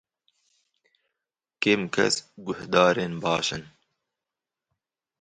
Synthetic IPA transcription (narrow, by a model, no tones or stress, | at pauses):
keːmkɐ̰sɡʊhd̪ɑːɾenbɑːʃən